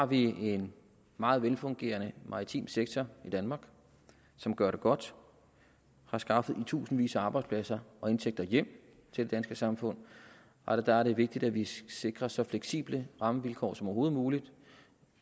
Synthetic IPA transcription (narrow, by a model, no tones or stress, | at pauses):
hɑ̈ʋie̝n | mɑ̈ːð̞̩ˠʋelfɔ̽ŋɡ̥e̝̰ːɐnəmʔɑ̈ʁit͡sʰḭːmseɡ̥̚t͡sʰɒid̥ænmɑ̈ːɡ̥ | sɒ̽mɡ̥ɶɐɾ̥e̝ɡ̥ɒ̽d̥ | hɑ̈sɡ̥ɑ̈fð̩ˠit͡sʰṵːsn̩ʋḭːsəɑ̈ːb̥ɑ̈ɪdspʰlæsɐɒ̽e̝nt͡sʰeɡ̥̚d̥ɐjem̰ | t͡sʰe̝ld̥e̝d̥ænsɡ̥əsɑ̈mfɔ̽n̰ | æd̥ææɐɾe̝ʋe̝ɡ̥̚d̥id̥æʋise̝ɡ̥ʁɐsɒ̽fleɡ̥sḭːb̥ləʁɑ̈məʋilkʰɒ̰ːsɒ̽mɒːɦo̝ːð̞̩ˠmuːlid̥